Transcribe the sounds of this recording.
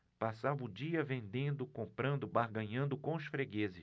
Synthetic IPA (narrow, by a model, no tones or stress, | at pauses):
pasavʊd͡ʒiɐvẽnd̪ẽnd̪ʊkõmpɾɐ̃nd̪ʊbaɾɡɐ̃ɲɐ̃nd̪ʊkõʊsfɾeɡezɪ